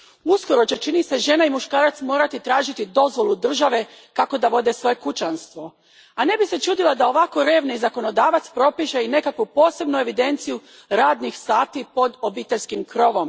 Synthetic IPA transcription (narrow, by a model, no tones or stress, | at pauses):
usko̞ɾo̞t͡ɕe̞t͡ʃinise̞ʒe̞naimuʃkaːɾat̪smo̞ːɾat̪it̪ɾaːʒit̪id̪o̞zʋo̞lˠud̪r̩ʒaʋe̞ | kako̞d̪aʋo̞d̪e̞sʋo̞je̞kut͡ʃanst̪ʋo̞ | ane̞bise̞t͡ʃuːd̪ilˠad̪ao̞ʋako̞ɾe̞ːʋniizako̞no̞d̪aːʋat̪spɾo̞piʃeine̞kakʋupo̞ːse̞bnue̞ʋid̪e̞nt̪siju | ɾaːd̪nixsaːt̪ipo̞d̪o̞biːt̪e̞ʎʲskimkɾo̞ʋo̞m